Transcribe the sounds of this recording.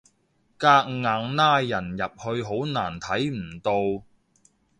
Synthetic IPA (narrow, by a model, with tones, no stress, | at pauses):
kaː˧k̚ŋaː˨˧ŋnaː˥jːɐ˨˩njɐ˨p̚hɵ˧ɥɦo˨˥wnaː˨˩nt̪ʰɐ˨˥jm̩˨˩t̪o˧w